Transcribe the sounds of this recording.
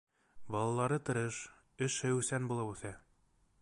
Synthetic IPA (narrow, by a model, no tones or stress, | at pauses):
bɑlˠɑlˠɑɾɤt̪ɤ̆ɾɤʃ | ɘ̆ʃɘʉsænbulˠɤwʉθæ